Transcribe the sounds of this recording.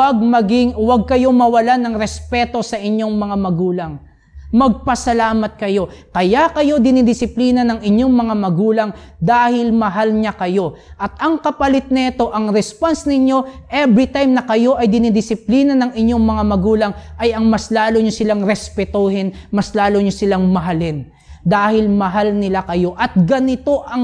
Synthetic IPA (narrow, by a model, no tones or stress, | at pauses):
ɐɡ̚mɐɡɪŋwɐɡ̚kɐjo̞mɐwɐlanɐŋɾɛspɛt̪o̞sɐʔɪɲːo̞ŋmɐŋamɐɡuːlɐŋ | mɐɡ̚pɐsɐlaːmɐt̪̚kɐjo̞ | kɐjakɐjo̞d̪ɪnɪd̪ɪsɪpliːnɐnɐŋɪɲo̞ŋmɐŋamɐɡuːlɐŋd̪aːhɪlmɐɦalɲakɐjo̞ʔɐt̪̚ɐŋkɐpɐlɪt̪̚nɐɪt̪o̞ʔɐŋɾɛsponsnɪɲjo̞ʔɛbɾɪt̪ajmnɐkɐjo̞ʔɐjd̪ɪnɪd̪ɪsɪpliːnɐnɐŋɪɲo̞ŋmɐŋamɐɡuːlɐŋʔɐjɐŋmɐslaːloɲosɪlaŋɾɛspɛt̪oɦɪnmɐslaːloɲosɪlaŋmɐɦɐlɪn | d̪aːhɪlmɐɦalnɪlakɐjo̞ʔɐt̪̚ɡɐnɪt̪o̞ʔɐŋ